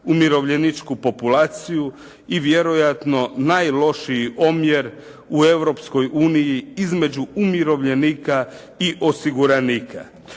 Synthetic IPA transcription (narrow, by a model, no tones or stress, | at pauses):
umiɾo̞ʋʎenit͡ʃkupo̞pulaːt̪siju | iʋje̞ɾo̞jat̪no̞najlo̞ʃiio̞mjeɾ | ue̞ʋɾo̞psko̞juːnijiizme̞d͡ʑuumjiɾo̞ʋʎe̞niːka | iʔo̞siɡuɾaniːkʰa̰